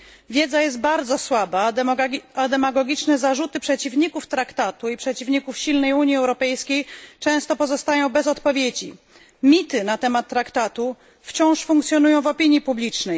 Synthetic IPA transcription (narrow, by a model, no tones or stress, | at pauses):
vʲjed̪zajɛst̪̚baɾd̪zɔswaba | ad̪ɛmaɡɔɡʲit͡ʂnɛzaʐut̪ɘpʂɛt͡ɕivɲikuft̪ɾakt̪at̪uipʂɛt͡ɕivɲikufɕilnɛjuɲjiɛwɾɔpɛjskʲejt͡ʂɛ̃w̃st̪ɔpɔzɔst̪ajɔ̃w̃bɛzɔt̪pɔvʲjed͡ʑḭ | mʲit̪ɘnat̪ɛmat̪ːɾakt̪at̪u | ft͡ɕɔ̃w̃ʂfuŋk̚t̪sʲjɔnujɔ̃w̃vɔpʲiɲjipublʲit͡ʂnɛj